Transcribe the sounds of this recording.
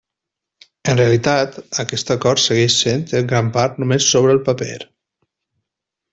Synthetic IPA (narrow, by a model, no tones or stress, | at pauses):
ənreəlit̪at̪əkɛst̪əkɔɾt̪səɣɛʃsent̪əŋɡɾampaɾt̪numesːoβ̞ɾəlˠpəpḛɾ